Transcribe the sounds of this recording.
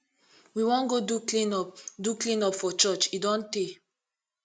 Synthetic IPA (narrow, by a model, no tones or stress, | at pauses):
wiwɔ̃nɡodukĩnɔpduklĩnɔpfɔt͡ʃɔt͡ʃidɔ̃nte